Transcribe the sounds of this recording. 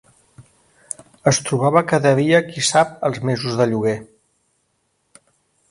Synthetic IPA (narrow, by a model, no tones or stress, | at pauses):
əst̪ɾuβ̞aβəkaðəðiəkisap̚əlˠzmezuzðəʎuɣe